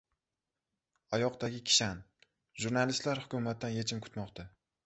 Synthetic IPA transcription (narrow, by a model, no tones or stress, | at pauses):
ajɒqd̪aɡʲɪkʲʰɪ̥ʃan | ʒuɾnalɪst̪laɾhʊkʲʰʊmat̪̚ːanje̞t͡ʃʰɪmkʰʊ̥t̪mɒqt̪ʰa